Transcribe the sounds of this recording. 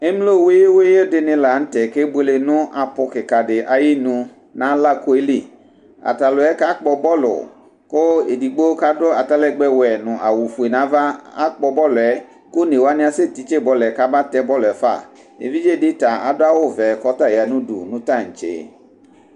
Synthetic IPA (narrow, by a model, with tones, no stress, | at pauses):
e˦m˦lo˦˨we˦je˦we˦je˦dɪ˨nɪ̃˨la˨˦n̩˦tɛ˨ke˦be˦le˨nʊ̃˦ʔa˨pʊ˨kɪ˨ka˨ɖɪ˨ʔa˨ji˦nũ˦ | nã˦la˦ko˦e˦li˦˨ | a̰˨ta˨lʊ˨ɛ˦ka˦k͡pɔ˨bɔ˦lʊ̰˨ | kʊ˦e˨di˨ɡ͡bo˦ka˦dʊ˦a˨ta˦lɛ˦˨ɡ͡bɛ˦wɛ˨nʊ̃˨ʔa˨wu˨fu˨e˨nã˨˦va˦a̰˦k͡pɔ˨bɔ˦lʊ˨ɛ˨ | kʊ˦ne˨wa˦nɪ̃˦a˨se˦t̪i˨t͡ʃe˦˨bɔ˦lɛ˨ka˦ba˦t̪ɛ˦bɔ˦lʊ˨ɛ˨fa̰˦˨ | ḛ˨vi˦d͡ʒe˦˨dɪ˦ta˨a˨dʊ˦a˦wo˦vɛ˨kɔ˦ta˦˨ja˨nũ˦dṵ˨nʊ̃˦ta˦˨ŋ̩˨t͡ʃḛ˨